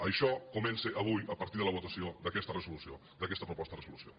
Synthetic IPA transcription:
ɐʃɔkumɛnseʔɐβ̞ujəpɐɾt̪iðələβ̞ut̪ɐsiod̪əkɛst̪ərəzulusio | d̪ɐkɛst̪əpɾupɔst̪ərəzulusio̰

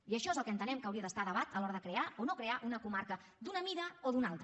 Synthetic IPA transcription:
iəʃɔezəlˠkənt̪ənɛmkəwɾiəðəst̪aðəβat̪əlɔɾəðəkɾeaonokɾeaʔunəkumaɾkə | d̪unəmiðəoðunalˠt̪ɾə

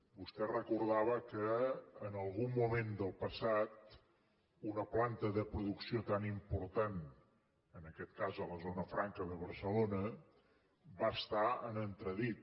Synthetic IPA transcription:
bust̪ɛrəkuɾðaβ̞əkəːnəlˠɣumːumend̪əlˠpəsat̪ | unəplant̪əðəpɾuðuksiot̪animpuɾt̪an | ənəkɛt̪kazələzonəfɾaŋkəðəβəɾsəlonə | bast̪aə̰nənt̪ɾəðit̪̚

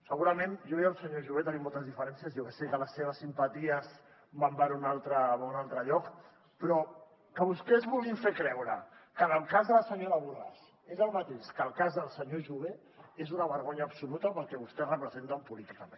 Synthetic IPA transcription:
səɣuɾəmenʒɔβɛəlˠsəɲoʒuβet̪ənimolˠt̪əzðifəɾɛnsiəzjɔkɛsekələsːeβ̞əsːimpət̪iəz | bambɛɾunalˠt̪ɾəβunalˠt̪ɾəʎɔk | pɾɔ | kəβust̪ɛzβulˠifekɾɛwɾə̰kənəlˠkazðələsəɲoɾəβuɾɣa̰s | ezəlˠmət̪eʃkəlˠkazðəlˠsəɲoʒuβe | ezunəβəɾɣoɲəːpsulut̪əpəlˠkɛβust̪ɛrəpɾəzent̪əmpulit̪ikəmẽn

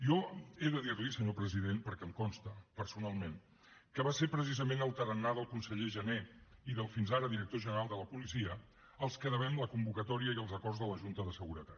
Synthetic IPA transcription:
jɔeðəðiɾlisəɲopɾəziðenpəɾkɛəmkɔnst̪əpəɾsunalˠmen | kəβaseɾpɾəsizəmenəlˠt̪əɾənːaðəlˠkunsəʎeʒəneiðəlˠfinzaɾəðiɾək̚t̪oʒənəɾalˠd̪ələpulisiə | əlˠskəðəβɛmləkumbukət̪ɔɾiəiəlˠzəkɔrzðələʒunt̪əðəsəɣuɾət̪at̪

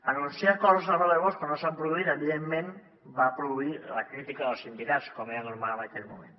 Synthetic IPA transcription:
anonsiaɾkolsaβaeβoskonosampɾoðuiɾaeβiðemːen | bapɾoðuilakɾit̪ikaðelsimbiɾaskomeanoɾmalβajt̪enmomẽn

